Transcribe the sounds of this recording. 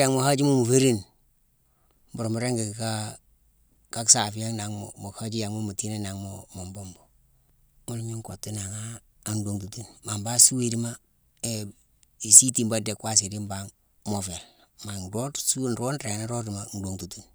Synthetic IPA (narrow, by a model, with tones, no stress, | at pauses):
ja˨ŋmo˨ha˦d͡ʒi˦mu˦mu˨fe˦ɾi˦n | m˦bu˨ɾmu˨ɾe˦ŋɡe˨kka˦ | ka˦ksa˨fi˦ja˦ŋna˨ŋmo˨ka˦d͡ʒi˦ja˨ŋmu˦mu˨ti˦ne˦na˨ŋmomo˨mbo˦mbo˨ | mu˦lmi˦ŋ˦ko˨tːi˦na˨ŋaː˦˨ | ndo˨ŋtu˨tu˦nma˨mba˦su˦e˨di˦ma˦ | e˨ | i˨si˦ti˨mba˦de˨kwa˦s̬i˨di˦mba˨ŋ | mo˨fe˨l | ma˨ndo˦tsu˦n˨ɾo˦nɾe˨na˦ɾo˦di˨ma˦n˨˦do˨ŋtu˨tu˨n